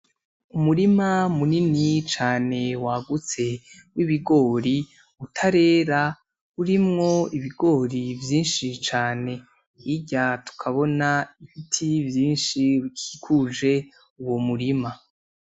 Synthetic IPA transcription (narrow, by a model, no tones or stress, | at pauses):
umuɾimamuninit͡ʃaːne̞waɡut͡se̞ | wiβiɡo̞ːɾi | utʰaɾe̞ːɾa | uɾimŋo̞iβiɡo̞ːɾivjiːnʃit͡ʃaːne̞ | iɟatu̥kʰaβo̞naiβitʰivjiːnʃiβikʰikʰuʒe̞ | uwomuɾima